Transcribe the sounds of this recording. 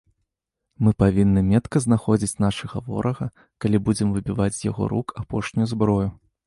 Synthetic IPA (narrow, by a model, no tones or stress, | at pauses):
mɨpavʲinːɨmʲɛt̪kɐznaxɔd͡zʲit͡sʲn̪aʂɐɣɐvɔ̰ɾʔɐɣɐ | kalʲibud͡zʲɛmvɨbʲivat͡sʲzja̰ɣɔ̰ɾukʰapɔʂnʲujuzbɾɔju